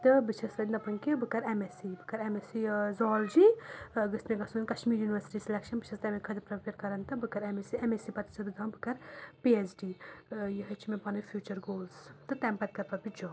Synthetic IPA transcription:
t̪ɨbɨt͡ʃʰɐsɐd̪nɐpɐŋkibɨkɐɾemesibɨkɐɾemesizɔːld͡ʒiːɡɨsmeɡɐsunkɐʃmiːɾjuːniʋɐɾsi̥ʈisilekʃɐnbɨt͡ʃʰɐst̪ɐmekʰɐd̪ipɾɐpeɾkɐɾɐnt̪ɨbɨkɐɾemesiemesipɐt̪i̥t͡ʃʰɐbid̪aːmbɨkɐɾpiesɖiːjɐɦɐt͡ʃʰimepɐnɐfʰjuːt͡ʃɐɾɡoːlzt̪ɨt̪ɛmpɐt̪̚kɐɾpɐbid͡ʒɔː

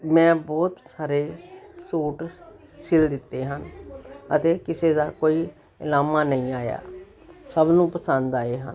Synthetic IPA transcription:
mɛ̃ːbɔːt̪saːɾeːsoːʈ | sɪld̪ɪt̪ːeːɦənət̪eːkɪseːd̪aːkoːiː | ɪlaːmaːnəĩːaːja̰ː | səbnũːpəsənd̪aːeːɦə̰n

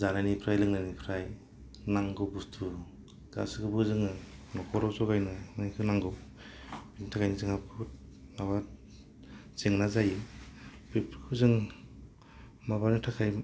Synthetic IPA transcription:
zananipʰɾajlɯŋnanipʰɾaj | naŋɡɯbustʰu | ɡ̥a̰skʰɯbɯzɯŋɯnɔkʰɔɾɔsɔɡajnɯmanikʰɯnaŋɡɯw | binitʰakʰajnizɯŋhapʰut̚nawa | zeŋnazajɯbepʰkʰɯzɯŋ | mabanɯtʰakʰaj

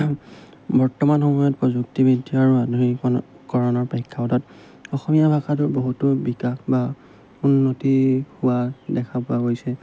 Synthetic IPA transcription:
bɔɹtɔmanxɔmɔjɔt̚pɹɔzuktibidʱiaɹuadʱɔɹi | kɔɹɔnɔɹpeikʰːapɔtɔt | ɔxɔmijabʱakatʊɹboɦutʊbikaxba | unːotihʊwadɛkʰapʊaɦojsɛ

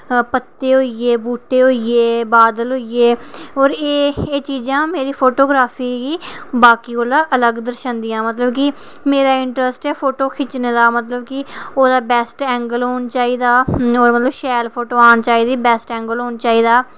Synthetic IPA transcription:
pət̪ːeːɦoːieːbuːʈeːɦoːieːbaːd̪əlɦoːieːɔːɾeːeːt͡ʃiːd͡ʒãːmeːɾiːpʰoːʈoːɡɾaːpʰiːɡiːbaːkiːkoːlaːʔələɡd̪əɾʃənd̪ɪjãːmət̪ləbkɪ | meːɾaːɪɳʈɾəsʈɛːpʰoːʈoːkʰɪt͡ʃneːd̪aːmət̪ləbkɪoːd̪aːbɛːsʈɛ̃ːŋɡəlɦoːnt͡ʃaːiːd̪aːoːmət̪ləbʃɛːlpʰoːʈoːaːɳt͡ʃaːiːd̪iːbɛːsʈɛ̃ːŋɡəlɦoːnt͡ʃaːiːd̪aː

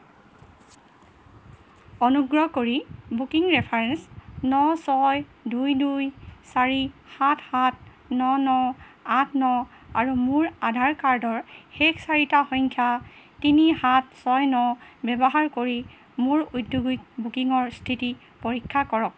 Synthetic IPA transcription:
ɔnuɡɹɔkoɹibukiŋɹɛpʰaɹɛnsnɔsɔjdʱujdujsaɹihathat̚ | nɔnɔatʰnɔ | aɹumʊɹadʱaɹkaɹdɔɹxɛkʰsaɹitaxɔŋkʰjatinihatsɔjnɔbɛbɔɦaɹkoɹi | muɹudʱjoɡik̚bukiŋɔɹstʰiti | poɹikʰːakɔɹɔk̚

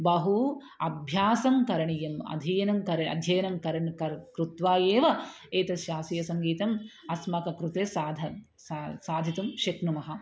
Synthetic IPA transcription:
bɐɦu | ɐbʱjaːsɐmkɐɾɐɳijɐmɐ̰d̪ʱijɐnɐmkɐɾɐɐ̰d̪ʱjɐjɐnɐmkɐɾɐɳkɐɾkɾut̪ʋaːjeːʋɐ | eːt̪ɐʃjaːsijɐsɐŋɡiːt̪ɐmɐsmɐkɐkɾut̪eːsaːd̪ʱɐ | saːd̪ʱit̪umʃɐknumɐɦɐ

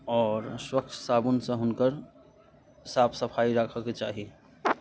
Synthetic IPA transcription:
ɔːɾswək̚t͡ʃʰsaːbʊnsẽɦʊnkəɾ | saːbsəpʰaːiɾakʰəket͡ʃaːɦi

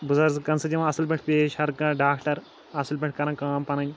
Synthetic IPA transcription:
buzɐɾzkɐnsɐd͡ʒiʋãɐsɐlbʲɐʈʰpeːʃhɐɾkɐ̃ɖaːkʈɐɾ | ɐsɐlbɐʈ̚ʰkɐɾɐ̃nkaːmpɐnɐɲʲ

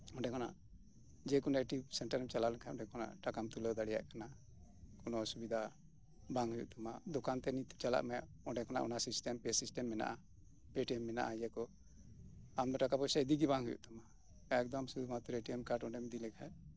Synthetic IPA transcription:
ɔɳɖɛkʰɔna̰ʔ | d͡ʒɛkunɛʈisɛɳʈaɾmt͡ʃalaʔlɛkʰaɔ̃ɳɖɛkʰɔna̰ʔʈakamt̪ulɔd̪aɽɛja̰ʔkana | kɔnɔsubid̪ʱa | baŋɦujṵʔt̪amad̪ɔkant̪ɛnit̪̚t͡ʃala̰ʔmɛ | ɔɳɖɛkʰɔna̰ʔɔ̰nasisʈɛmpɛsisʈɛmːɛna̰ʔa | peʈiɛmːɛna̰ʔad͡ʒɛkɔ | amd̪ɔʈakapɔsaid̪iɡibaŋɦujṵʔt̪ama | ɛk̚d̪ɔmsud̪ʱumat̪uɾeʈiɛmkaɾʈɔɳɖɛmɛd̪ilɛkʰa

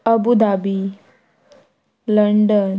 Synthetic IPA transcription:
əbud̪abi | ləɳɖən

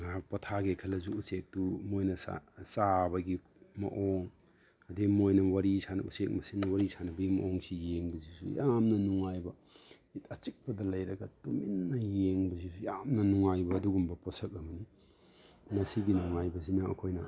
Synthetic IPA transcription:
ŋapɐtʰaɡekʰɐlɐzuːsek̚tumojnɐsa̰sabɐɡi | mɐ̰ʔoŋ | ɐdemojnɐwɐɾisanɐusek̚mɐsinɐwɐɾisʰanɐbɐimɐ̰ʔoŋsijeŋbɐzisujamnɐnuŋajbɐ | itɐt͡ʃik̚pɐdɐlɐjɾɐɡɐtuminːɐjeŋbɐzisujamnɐnuŋajbɐːduɡumbɐpɔsɐk̚ɐmɐni | nɐsiɡinuŋajbɐzinɐɐ̰kʰojnɐ

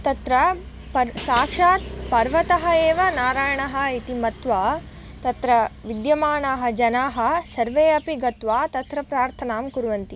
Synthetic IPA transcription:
t̪ɐt̪ɾɐ | pɐsaːkʂaːt̪pɐɾʋɐt̪ɐɦɐeːʋɐnaːɾaːjɐɳɐɦɐ̆it̪imɐt̪ʋaː | t̪ɐt̪ɾɐʋid̪jɐmaːɳaːɦɐ̆d͡ʒɐnaːɦɐ̆sɐɾʋeːɐpiɡɐt̪ʋaːt̪ɐt̪ɾɐpɾaːɾt̪ʰɐnaːmkuɾʋɐnt̪i

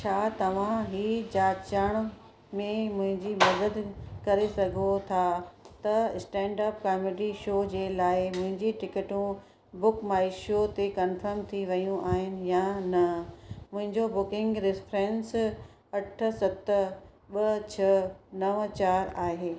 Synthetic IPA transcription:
t͡ɕʰaːt̪ɐʋ̤ãɦiːd͡ʑaːt͡ɕəɽ̃ | mẽmʊ̃ɦɪ̃ɲd͡ʑimɐd̪əd̪kɐɾesɐɡʱot̪ʰat̪ɐsʈɛ̃ːɳɖaːp̚kaːmeɖiʃoːd͡ʑeːlaːɪmʊ̃ɦɪ̃ɲd͡ʑiʈɪkɪʈũ | bʊkmaːɪʃot̪ekɐnfəɾmt̪ʰiʋɐjũʔaːɦɪnɪ̆janɐmʊ̃ɦɪ̃ɲd͡ʑobʊkɪ̃ŋɡɾɪfɾɛ̃ns | ɐʈʰə̆sɐt̪ | ɓɐt͡ɕʰɐnɐʋt͡ɕaːɾaːɦeː

